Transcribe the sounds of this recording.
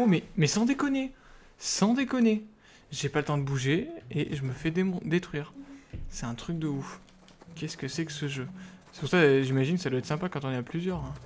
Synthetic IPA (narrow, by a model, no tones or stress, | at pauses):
omɛmɛsɑ̃d̪ekɔne | sɑ̃d̪ekɔne | ʒepalət̪ɑ̃d̪əbuʒeḛʒəməfɛd̪em̃d̪et̪χɥiːʁsɛt̪ɛ̃t̪χyk̚d̪əuf | kʲɛskəsɛkəsəʒøse̥puʁsaʒimaʒinkəsad̪wɛt̪χsɛ̃pakɑ̃t̪ɔ̃neaplyzjœʁɛ̃